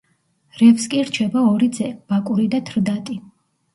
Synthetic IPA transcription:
ɾɛvskʼiɾt͡ʃʰɛbaɔɾid̪zɛb̥akʼuɾid̪at̪ʰɾd̪at̪ʼi

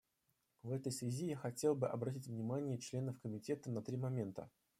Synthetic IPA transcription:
vɛt̪əjsvʲɪzʲijaxɐtʲe̞lˠbɨʔɐbɾɐtʲitʲvnʲɪmanʲɪjət͡ɕlʲe̞nəfkəmʲɪtʲe̞t̪ənɐt̪ɾʲimɐmʲe̞nt̪ə̰

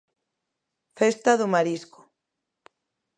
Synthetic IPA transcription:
fest̪aðomaɾisko̥

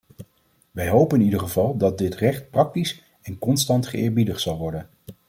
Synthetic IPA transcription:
ʋɛjɦowpənɪnidəɹχəvɑlˠdɑt̚dɪtrɛχt̚prɑk̚tis | ɛnkɔnstɑntχəɪːɹbidəχsɑlˠʋɔɹdən

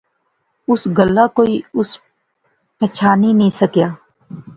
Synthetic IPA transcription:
ʊsɡəlːaːkoːiːʊs | pət͡ʃʰaːnĩːnĩːsəkjaː

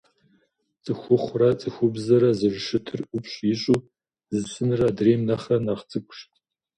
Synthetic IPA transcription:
t͡sʼɨxʷʊχʷrɐt͡sʼɨxʷʊbzɐɾɐzɨʐʂɨtʰɨrʔʷʊpɕʷʼjɪɕʼuː | zɨsɨnɨrɐdreːmnɐχɐnaχt͡sʼɨkʷʰʼʊʃtʼ

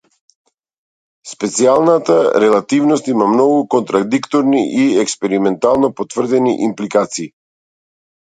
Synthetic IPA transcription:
spɛt̪sialˠnat̪aɾɛlˠat̪ivnɔst̪imamnɔɡukɔnt̪ɾad̪ikt̪ɔɾniʔiɛkspɛɾimɛnt̪alˠnɔpɔt̪v̥r̩d̪ɛnḭʔimplikat̪siː

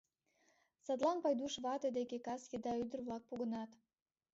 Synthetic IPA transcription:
sɑt̪lɑnpɑjd̪uʃβɑt̪ed̪ekekɑsjed̪ɑyd̪ərβlɑk̚puɣə̆nɑt̪

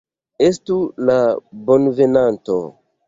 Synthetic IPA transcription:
estulabo̞nve̞nanto̰

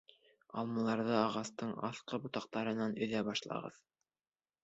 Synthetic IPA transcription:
ɑ̰lˠmɑ̆lˠɑɾðɤɑʁɑst̪ɤɴɑ̰θqɤbŏt̪ɑq̚t̪ɑɾɤ̆nɑnɵ̆ðæbɑʃlˠɑ̰ʁɤ̰ð

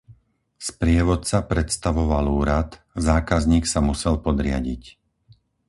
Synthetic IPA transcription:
spɾɪɛʋɔt̪t͡sapɾɛt̪st̪aʋɔʋaluːɾat̪ | zaːkazɲiːksamusɛlpɔd̪ɾɪa̰ɟḭc

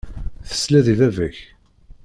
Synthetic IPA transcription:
θə̥slæðiðævəç

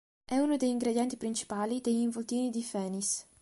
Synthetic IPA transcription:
ʔɛunod̪ejiŋɡɾed̪jɛnt̪ipɾint͡ʃi̥paːlid̪eʎiɱvolt̪iːnid̪ifɛːnis

